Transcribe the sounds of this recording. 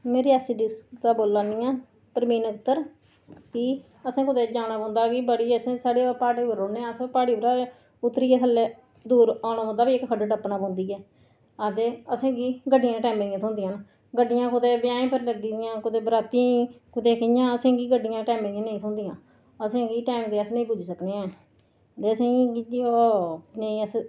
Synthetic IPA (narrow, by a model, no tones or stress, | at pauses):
meːɾiːɛsiɖɪst̪aːboːlːaːnĩːãː | pəɾmiːnəkt̪ːəɾ | kiː | əsẽːkʊd̪eːd͡ʒaːnaːbɔ̃ːnd̪aːkiːbəɽiːəsẽːsaːɽeːpaːɽeːbəɾoːneːãːəsẽːpaːɽiːbəɾaːe | ʊt̪ːɾiːaːk̪ʰəlːeː | d̪uːɾaːnaːɔ̃nd̪aːbiːɪkkəɖɖəpnãːbɔ̃ːnd̪iːɛː | aːd̪eːəsẽːɡiːɡəɖɪjãːʈɛːmeːãːt̪ʰʊ̃ːnd̪ijãːn | ɡəɖːɪjãːkʊd̪eːbɪjãːẽːpəɾləɡiːd̪ɪjãːkʊd̪eːbɾaːt̪ĩːkʊt̪eːkɪjãːəsẽːɡiːɡəɖɪjãːʈɛːmẽːãːnəĩːt̪ʰʊ̃ːnd̪ijãː | əsẽːɡiːʈaːmd̪eːəsnə̃ĩpʊd͡ʒsəkneːãː | t̪eːəsẽːɡiːd͡ʒonəĩːəs